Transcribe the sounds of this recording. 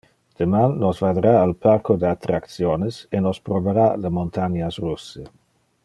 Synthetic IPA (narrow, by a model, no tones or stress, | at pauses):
d̪̥əmanːosvad̪ɾaːlpʰarkod̪eat̪ɾak̪sjonesenospɾoveɾalemont̪ʰaɲasrusːə